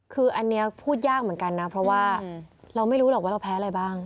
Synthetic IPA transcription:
kʰɯː˧ʔa˧nːi˦˥ɐpʰuː˥˩t̪̚jaː˥˩k̚mɯ˩˦nka˧nːa˦˥pʰɾɔ˦˥waː˥˩ɾa˧wma˥˩jɾuː˦˥lɔː˨˩waː˥˩a˧wpʰɛː˦˥˧ɾa˧jbaː˥˩ŋ

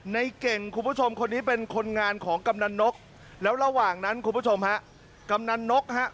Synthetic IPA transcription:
na˧jke˨˩ŋkʰu˧npu˦˥t͡ɕʰo˧mkʰo˧nːiː˦˥pe˧nkʰo˧nŋaː˧nkʰɔː˩˦ŋka˧mna˧nːo˦˥k̚ | lɛː˦˥wɾa˧waː˨˩ŋna˦˥nkʰu˧mpʰu˦˥t͡ɕʰo˧mha˦˥ʔ | ka˧mna˧nːo˦˥k̚ɦa˦˥ʔ

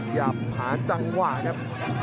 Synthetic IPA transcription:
jaː˨˩p̚haː˩˦t͡ɕa˧ŋwaː˧˩ka˦˥p̚

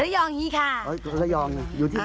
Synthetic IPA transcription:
a˦˥jɔː˧ŋhiː˧˥˩kʰa˥˩a˦˥˧ljɔː˧ŋna˧juː˧t̪ʰiː˥˩

